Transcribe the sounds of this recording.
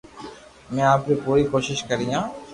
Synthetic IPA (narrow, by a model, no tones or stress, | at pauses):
mɛ̃aːpɾikoːikoːʃɪʃkɐɾijãː